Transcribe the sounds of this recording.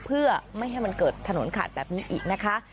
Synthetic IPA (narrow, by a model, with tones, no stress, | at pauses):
pʰɯ˥˩ɐma˥˩jɦa˥˩jma˧nkɤː˨˩t̪ʰːa˧no˩˦nkʰa̰ː˨˩t̪̚bɛː˨˩p̚niː˦˥ʔiː˨˩k̚na˦˥kʰa˦˥